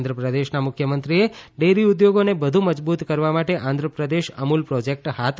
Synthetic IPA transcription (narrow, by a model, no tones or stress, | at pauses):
nd̪ʱɾəpɾəd̪eʃnamʊkʰjəmənt̪ɾieɖeɾiʊd̪joɡonebəd̪ʱuməd͡ʒbut̪kəɾʋamaʈeʔãnd̪ʱɾəpɾəd̪eʃəmulpɾɔd͡ʒek̚ʈhat̪ʰ